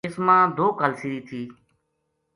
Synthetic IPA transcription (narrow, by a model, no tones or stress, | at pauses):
ɪsmãːd̪oːkaːlsiːɾiːt̪ʰiː